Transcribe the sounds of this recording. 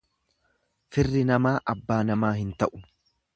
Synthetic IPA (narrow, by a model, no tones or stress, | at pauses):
fɪrːɪnɐmaːʔɐbːaːnɐmaːhɪnt̪ɐʔʊ̥